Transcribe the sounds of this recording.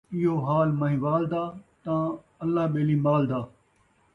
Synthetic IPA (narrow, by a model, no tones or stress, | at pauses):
ɪɦoːɦaːlmɐɦĩːʋaːld̪aːt̪ãː | ɐlːaːɓeːliːmaːld̪aː